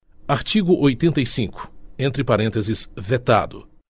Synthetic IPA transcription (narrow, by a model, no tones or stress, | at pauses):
aɾt͡ʃiɡʊʔojt̪ẽnt̪ejsĩŋkʊ̥ẽnt̪ɾɪpaɾẽt̪ezɪsvet̪a̰d̪ʊ̰